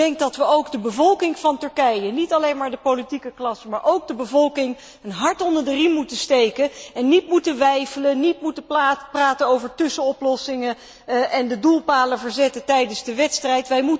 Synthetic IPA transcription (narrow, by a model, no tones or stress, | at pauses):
dɛŋk̚dɑtʋəowɡdəbəvɔlˠkɪŋv̥ɑntɵɹkɛjənitɑlejnmaːɹdəpolitikəklɑsmaːɹʔowɡ̚dəbəvɔlˠkɪŋ | ənɦɑɹtɔndəɹdərimmutəstejkəɛnːitmutənʋɛjfələnitmutəpraːtənowvəɹtɵsənɔplɔsɪŋə | ʔɛndədulˠpaːləvəɹzɛtətɛjdənzdəʋɛtstrɛjtʋɛjmu